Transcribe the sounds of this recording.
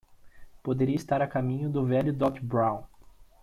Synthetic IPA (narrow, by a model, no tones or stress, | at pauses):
pod̪eɾiɐist̪aɾɐkamĩɲʊd̪ʊvɛʎʊd̪ɔkbɾaw̃